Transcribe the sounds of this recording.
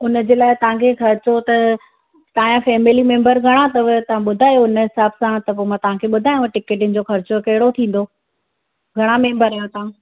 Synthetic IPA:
ʊnə̆d͡ʑeːlaːɪt̪ɐʋ̤ãkʰexɐɾɪt͡ɕot̪ɐ | t̪aɦããfɛːmɪlimẽːmbəɾɡʱɐɽ̃at̪ɐʋt̪ɐʋ̤ãɓʊd̪ʱaːjoʊnəɦɪsaːbsãt̪ɐpoːmãt̪ɐʋ̤ãkʰeɓʊd̪ʱaːj̃ʈɪkeːʈɪnɪ̆d͡ʑoxɐɾt͡ɕokɐɦɪɽot̪ʰĩːn̆d̪o | ɡʱɐɽ̃amẽːmbəɾaːjot̪ɐʋ̤ã

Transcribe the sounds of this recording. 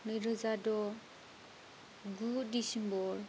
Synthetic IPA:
nɯjɾɔzadɔ | ɡudisinbɔɾ

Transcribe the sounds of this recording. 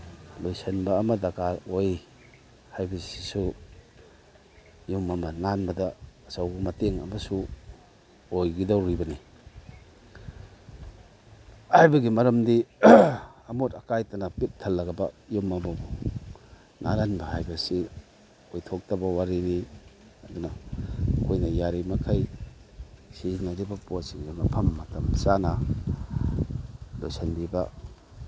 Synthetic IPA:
lojsɐnbɐːmɐdakaɾoj | hajbɐsi̥su | ijumɐmɐnanbɐdɐsawɡɐmɐteŋɐ̰mɐsu | ojɡidawɾibɐni | hajbɐɡimɐɾɐmdi | ɐmotɐkajtɐnɐpit̚tʰːɐlːɐɡɐbɐijomɐmɐbo | nʔa̰ɾanbɐhajbɐsi | ojtʰok̚tɐbɐwaɾini | ɐdunɐkʰojnɐjaɾimɐkʰaj | sizinɐɾibɐpotsiŋɡamɐpʰɐmːɐtʰɐmsanɐ | lo̰jsanbibɐ

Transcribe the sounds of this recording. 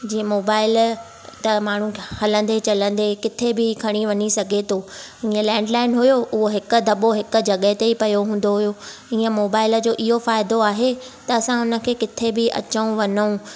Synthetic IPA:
d͡ʑiːə̃moːbaːɪl | t̪ɐmaːɳ̤ũhɐlə̃nd̪et͡ɕɐlə̃n̆d̪ekɪt̪ʰebɪkʰɐɽ̃iʋɐɲisɐɡʱet̪ʰoːĩːə̃lɛ̃ːɖlaːɪnɦʊjoʔʊɦoɦɪkʊ̆d̪ɐɓoɦɪkʊ̆d͡ʑɐɠəɦt̪eipɐjoɦũːn̆d̪oɦʊjoĩːə̃moːbaːɪləd͡ʑoːʔɪɦofaːɪd̪oaːɦet̪ɐɐsãʊnə̆kʰeːkɪt̪ʰebɪʔɐ̰t͡ɕəũʋɐɲəũ

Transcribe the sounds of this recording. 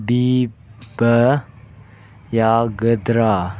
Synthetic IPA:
bi | b̥ə | jaɡəd̪ɾa

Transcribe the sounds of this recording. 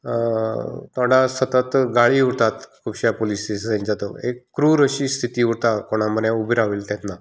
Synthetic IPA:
t̪ʰoɽasət̪ət̪ɡaɭiuɾt̪at̪kʰubɕjapolisisd͡z̪ɛ̃ɲt͡ɕat̪oekːɾuːɾəɕiːst̪ʰit̪iːuɾt̪akoɽ̃aməɾjãubʱiɾaʋiːlt̪ɛ̃t̪na

